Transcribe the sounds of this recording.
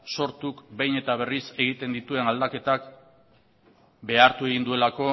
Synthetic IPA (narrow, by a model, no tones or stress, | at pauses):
so̞ɾt̪ukbe̞jne̞t̪aβ̞e̞rise̞ɣit̪e̞nd̪it̪ue̞nald̪ake̞t̪ak | be̞aɾt̪ue̞ɣind̪ue̞lako̞